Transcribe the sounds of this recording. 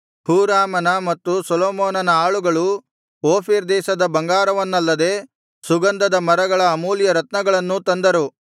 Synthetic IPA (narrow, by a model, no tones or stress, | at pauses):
huːɾaːmɐnɐmɐt̪ːusɔloːmoːnɐnɐaːɭuɡɐɭu | oːpʰiːɾd̪ɛːʃɐd̪ɐbɐŋɡaːɾɐʋɐnːɐlːɐd̪eː | suɡɐnd̪ɐd̪ɐmɐɾɐɡɐɭɐːmuːljɐɾɐt̪nɐɡɐɭɐnːut̪ɐnd̪ɐɾu